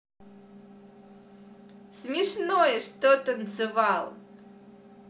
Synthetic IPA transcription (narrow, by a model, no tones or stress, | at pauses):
smʲiʂnojɛʂt̪ot̪ənzɨvɑlˠ